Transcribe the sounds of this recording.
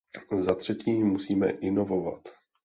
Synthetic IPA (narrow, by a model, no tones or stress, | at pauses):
zat̪r̝̥ɛciːmusiːmɛ̰ʔɪno̞vo̞va̰t̪